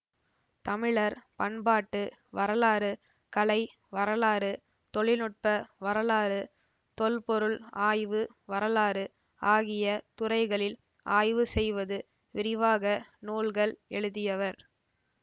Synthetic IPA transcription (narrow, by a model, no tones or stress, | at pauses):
t̪ɐmɪɭɐɾpɐɳbaːʈːɯʋɐɾɐlaːɾɯ | kɐɭɐɪ | ʋɐɾɐlaːɾɯ | t̪ɔɭɪnɯʈ̚pɐʋɐɾɐlaːɾɯ | t̪ɔlpɔɾɯɭaːjʋɯ | ʋɐɾɐlaːɾɯ | aːɣɪjɐt̪ʊɾɐɪɣɐɭɪl | ʔa̰ːjʋɯsɛjʋɐðɯ | ʋɪɾɪʋaːɣɐnuːlɣɐɭɛɻɯðɪjɐʋɐɾ